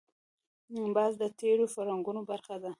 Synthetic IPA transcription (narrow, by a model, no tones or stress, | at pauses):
bɑzd̪ət̪eɽofaɾaŋɡunobaɾxad̪a